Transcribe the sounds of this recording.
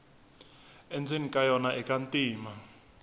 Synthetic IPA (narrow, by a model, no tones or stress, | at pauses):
ɛnd͡zʱenikʼajɔnaʔɛkʼantʼiːma